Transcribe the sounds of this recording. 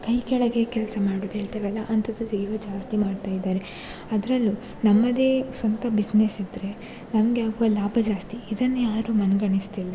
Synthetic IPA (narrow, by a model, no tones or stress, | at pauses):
kɐjkɛɭɐɡe̞kɛlsɐmaːɽuːd̪uɦeːɭt̪iɾɐlːɐʔɐnt̪ʰɐd̪ɐd̪uiɡɐd͡ʒaːst̪imaːɖt̪aːjd̪ːaːɾe | ɐd̪ɾɐlːu | nɐmːɐd̪e̞ːsʋɐnt̪ɐbid͡ʒnesid̪ɾe̞ | nɐmɐɡeaːɡuʋɐlaːbʱɐd͡ʒaːst̪iid̪ɐnːejaːɾuːmɐnɡɐɳist̪ilːɐ